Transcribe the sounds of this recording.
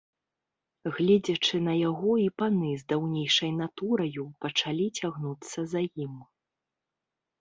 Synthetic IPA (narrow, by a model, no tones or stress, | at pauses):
ɣlʲɛd͡zʲɐt͡ʂɨnɐjaɣɔipanɨzd̪awnʲɛjʂɐjnat̪uɾɐjupɐt͡ʂalʲit͡sʲaɣnut̪sːɐzajim